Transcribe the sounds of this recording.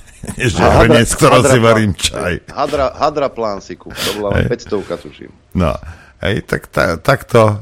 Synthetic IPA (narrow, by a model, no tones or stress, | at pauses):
ʒɛɦɾɲɛt͡sk̚t̪ɔɾɛsiʋɛɾiːmt͡ʃa̰jɦad̪ɾaɦad̪ɾaplaːnsikut̪ɔbɔlaɛ̰jpɛcst̪ɔʊkat̪uʃḭm | nɔ̰ | hɛ̰jt̪a̰kt̪a̰t̪akt̪ɔ